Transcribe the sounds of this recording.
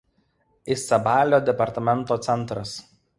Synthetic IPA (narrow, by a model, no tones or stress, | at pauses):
ɪsɐbaːlʲoːd̪ʲɛpɐɾt̪ɐmʲɛnˑt̪oːt̪sʲɛnˑt̪ɾɐs